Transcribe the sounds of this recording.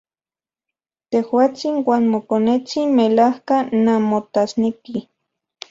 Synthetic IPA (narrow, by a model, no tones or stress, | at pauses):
t̪ehwaːt͡sinwaːnmokonet͡sinmelahkanamot̪asneki